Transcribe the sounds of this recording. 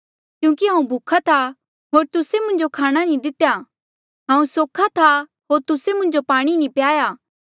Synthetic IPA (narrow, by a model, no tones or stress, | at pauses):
kjũːkiɦãːũbʱukʰat̪ʰa | ɦoːɾt̪ʊsemʊ̃ɲd͡ʒokʰaːɽ̃anĩd̪ɪt̪ja | ɦãːũsoːkʰat̪ʰa | ɦoːɾt̪ʊsemʊ̃ɲd͡ʒopaːɽ̃inĩpjaːjaː